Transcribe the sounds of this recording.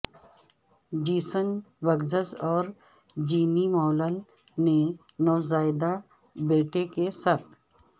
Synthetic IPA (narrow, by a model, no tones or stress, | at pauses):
d͡ʒiːsən | ʋəɡzəzɔːɾ | d͡ʒiːnimɔːləl | ne | nɔːzaːɪd̪a | beːʈʰekesat̪ʰ